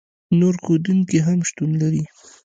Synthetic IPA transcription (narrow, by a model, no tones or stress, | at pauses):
noɾxod̪uŋkiɦamʃt̪unlaɾi